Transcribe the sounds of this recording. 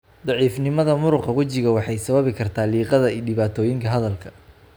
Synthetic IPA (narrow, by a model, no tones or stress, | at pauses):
d̪ɑʕiːfnɪmɐðɐmʊɾʊqɑwɐt͡ʃɪɣɐwɑħɑjsɐβɐβɪkʰɐrt̪ʰaːliːqɐðɐiːɖɪβaːt̪ʰɔːjɪŋkʰɐɦɐðɐlkʰɐ̥